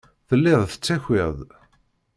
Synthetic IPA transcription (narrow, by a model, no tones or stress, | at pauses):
θəlːɪðˤθə̥t͡sːæçeðˤ